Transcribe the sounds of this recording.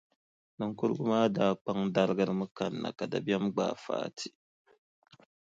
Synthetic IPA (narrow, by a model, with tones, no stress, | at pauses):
nɨ˨ŋkʊ˦ɾɨ˦ɡʊ˦maː˦daː˦k͡pa˦ŋda˦lɨ˦ɡɨ˦ɾɨ˦mɨ˦ka˨nːa̰˨ka˨da˨bjɛ˦mɡ͡ba̰ː˨fa̰ː˦tʰi̥˨